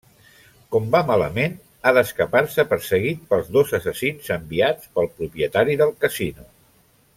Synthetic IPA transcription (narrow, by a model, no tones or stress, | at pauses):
kɔmbamalə̰men | aðəskəpaɾsəpəɾsəɣit̪̚pəlˠzðozəsəsinzəmbiat͡spəlˠpɾupjət̪aɾiðəlˠkəsinu